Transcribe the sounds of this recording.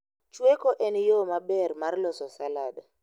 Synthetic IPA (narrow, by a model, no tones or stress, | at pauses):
t͡ʃwɛkɔʔɛnijomaɓɛɾmaɾlɔsɔsalaːda